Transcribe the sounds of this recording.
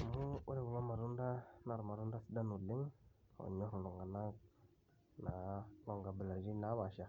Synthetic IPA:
muuɾɛwulɔmaɾundanaɾmaɾundasidanulɪŋ | ɔ̰ɲɔɾulɔŋɡanak̚ | nalɔŋɡabəlaɾd͡ʒinawaʃa

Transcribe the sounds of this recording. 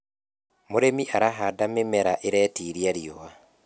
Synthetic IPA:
moɾemiʔaɾaɦadamemɛɾaʔeɾɛːtiːɾiaɾiowa

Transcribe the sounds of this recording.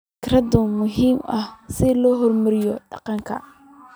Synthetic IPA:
fkrɐd̪ʊmʊɦiːmɐ̰hsɪlɔːɦɔrmɐɾɪjɔɖɑ̰qɑŋkʰɐ̰

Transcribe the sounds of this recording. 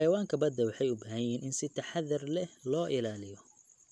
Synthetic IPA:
ɑjɐwaːŋkʰɐbɐd̪ːɐwɑħɑjʊbɐɦɐjiːnʔɪnsɪt̪ʰɐħɑðɐrlɛlɔːʔɪlaːlɪjɔ

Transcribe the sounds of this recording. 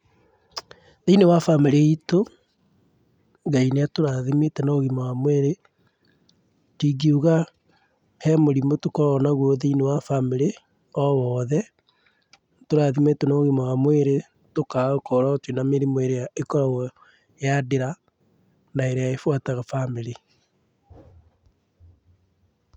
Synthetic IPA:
ðeinewafameɾeito | ŋɡaineatoɾaðimetɛnoɣimaɣamweɾe | tiɡiuɣa | hɛmoɾimotokɔɾanaɣwoðeinewafameɾe | ɔwɔðɛ | toɾaðimetɛnoɣimaɣamweɾe | tokaokɔɾatwenameɾimoeɾejaekɔɾawɔ | jadeɾa | naeɾejaefwataɣafameɾe

